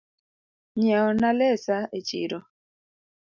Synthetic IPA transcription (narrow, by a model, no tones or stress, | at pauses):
ɲɛɔnalɛsaet͡ʃḭɾɔ